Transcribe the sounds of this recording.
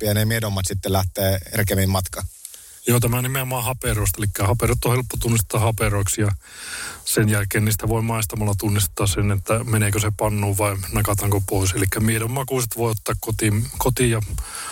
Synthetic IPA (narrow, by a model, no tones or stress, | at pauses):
jɑnemiedomːɑt̪sit̪ːelæht̪eːerkemimmɑt̪kɑ | joːt̪æmænimeomɑːhɑperoˑist̪ɑelikːæhɑperot̪ːohelpːot̪unːist̪t̪ːˑɑːhɑperoˑiksjɑ | senjælkeːnniːst̪æʋoimɑˑist̪ɑmɑlːˑɑt̪unːist̪ːˑɑːssenet̪ːæmenekøsepɑnːoːʋʋɑinɑkɑt̪ɑːŋkopoˑiselikːæmiedomːɑkuˑset̪ʋoˑiot̪ːɑːkkot̪imkot̪ijɑ